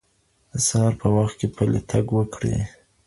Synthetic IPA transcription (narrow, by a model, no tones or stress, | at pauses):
əsahɑɾpəwaxt̪̚kepəlḛt̪ʰaɡwəkɽḛ